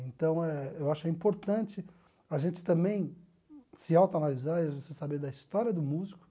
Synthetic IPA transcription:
ẽnt̪ɐ̃w̃ɛewaʃʊɛĩpoɾt̪ɐ̃nt͡ʃɪ | aʒẽnt͡ʃɪ̥t̪ɐ̃bẽj̃ | sɪawt̪ɐanalizaɾiavosesabed̪ɐist̪ɔɾiɐd̪ʊmuzikʊ̥

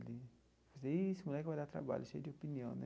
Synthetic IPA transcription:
li | vozesɪmulɛkɪvajd̪at̪ɾa̰ba̰lʊʃejʊd͡ʒɪopiniɐ̃w̃nɛ̃

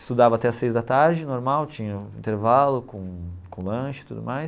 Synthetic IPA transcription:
ɪ̥st̪ud̪avɐat̪ɛɐsejzd̪ɐt̪aɾd͡ʒɪnoɾmawt͡ʃĩɲɐḭ̃nt̪eɾvalʊkõkõlɐ̃ʃɪ̥t̪ud̪ʊ̰majs

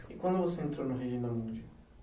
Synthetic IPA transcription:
ikwɐ̃nd̪ʊvoseẽnt̪ɾownʊɦeʒĩnd̪ɐmũd͡ʒɐ

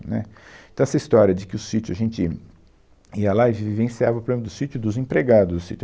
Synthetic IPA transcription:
nɛ̰ẽt̪ɐ̃w̃ɛsɐist̪ɔɾʲɐd͡ʒɪkɪʊsit͡ʃʊɐʒẽnt͡ʃɪ | iɐlaivvivẽsiavɐpɾoblẽmɐd̪ʊsit͡ʃʊd̪ʊzẽpɾeɡad̪ʊzd̪ʊsit͡ʃ

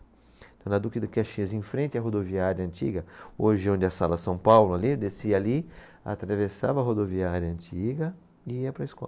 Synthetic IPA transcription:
t̪ɐ̃w̃nɐd̪ukid̪ɐkaʃĩzẽfɾẽnt̪ɪɐɦod̪oviaɾjɐɐ̃nt͡ʃḭɡɐoʒɪõd̪ɪɐsalɐsɐ̃w̃pawlʊalid̪esiɐali | a̰t̪ɾavesa̰vɐɦod̪oviaɾjɐɐ̃nt͡ʃiɡɐ | ɪiɐpɾɐɪskɔ̰lɐ

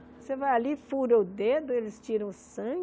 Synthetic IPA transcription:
osevajalifuɾɐʊd̪ed̪ʊelɪst͡ʃiɾɐ̃w̃ʊsɐ̃ɡ

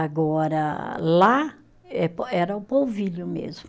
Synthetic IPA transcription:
aɡɔɾɐla | ɛpɛɾɐʊpowviʎʊmḛzmʊ

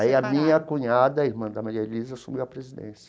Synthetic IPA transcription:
iɐmĩɲɐkũɲad̪ɐiɾmɐ̃d̪ɐmaɾiɐelizɐsumiwɐpɾezid̪ḛ̃sɐ

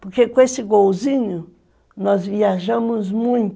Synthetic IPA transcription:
poɾkekʷesikowziɲõ | nɔ̃zβiaʒamõz̬mũj̃t̪

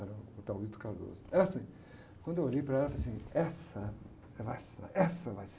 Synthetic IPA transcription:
ɾɐ̃ʊt̪awit̪ʊ̥kaɾd̪o̰zʊɛɐsĩ | kwɐ̃nd̪eoʎejpɾɐɛlɐfalas̬ĩɛsɐ | vajsa̰ʔɛsɐvajs

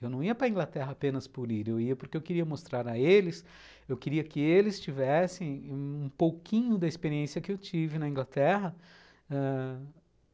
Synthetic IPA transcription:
ewnɐ̃w̃iɐpɾɐĩŋɡlat̪ɛɦɐapẽnɐspʊɾiɾewiɐpoɾkeewkɪɾiɐmost̪ɾaɾɐelɪs | ewkɪɾiɐkɪelɪst͡ʃivɛsẽj̃ũpowkʰĩɲʊd̪ɐɪspeɾiẽsjɐkɪewt͡ʃivɪnɐĩŋɡlat̪ɛɦɐ | ɛ

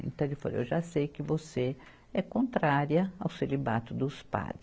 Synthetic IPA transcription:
ḛ̃nt̪ɐ̃w̃ɪwfa̰l̰ḛwʒasejkɪvose | ɛkõnt̪ɾaɾiɐawselibat̪ʊd̪ʊspa̰d̪ɪ

